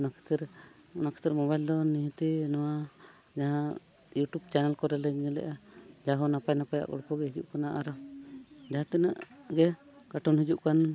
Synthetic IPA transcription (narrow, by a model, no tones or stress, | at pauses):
ɔnakʰɛ̥t̪ɛɾ | ɔnakʰɛ̥t̪ɛɾmɔbajld̪ɔniɦɛt̪inɔwa | d͡ʒaɦã | juʈub̚t͡ʃanɛlkɔɾɛlɛɡɛlɛ̰ʔad͡ʒaɦɔnapajnapaja̰ʔkɔ̰ɽkɔɡɛɦid͡ʒuʔkanaʔaɾɔ | d͡ʒaɦãt̪ɛnaʔɡɛ | kaʈʰɔnɦid͡ʒuʔkan